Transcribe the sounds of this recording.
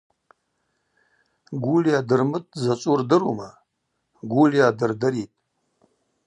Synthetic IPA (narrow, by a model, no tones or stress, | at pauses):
ɡʷulijadɨrmɨtʼzat͡sʷʼurdɨɾuma | ɡʷulijadɨrdɨɾitʼ